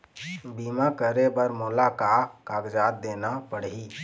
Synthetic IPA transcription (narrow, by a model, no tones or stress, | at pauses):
biːmakəɾebəɾmʊlakakaːɡd͡ʒaːt̪̚d̪eːnapəɽiː